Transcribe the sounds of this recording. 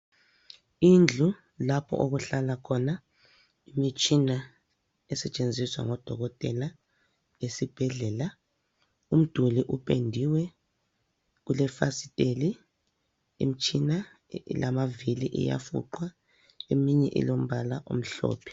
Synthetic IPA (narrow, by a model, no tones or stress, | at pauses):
ind͡ɮʱu | lapʰɔ̰ʔoɣuɬalakʰɔna | imit͡ʃʼina | ɛsɛt͡ʃʼend͡zʱiswa̰ŋɔd̥ʱɔɣɔtʼɛla | esib̥ʱɛɮɛla | um̩d̥ʱuliʔupʰʼendʱiwɛ | ulɛfasi̥tʼeli | ḭm̩t͡ʃʼina̰ | lamaviliʔɛ̰ja̰fṵǃwa | emiɲɛ̰ʔḭlom̩βalaʔṵm̩ɬɔ̰ːpʰɛ̥